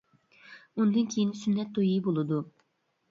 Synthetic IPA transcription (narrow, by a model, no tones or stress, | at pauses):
und̪ɨnkʲʰejinsynːɛt̪̚d̪ojibolˠɨd̪u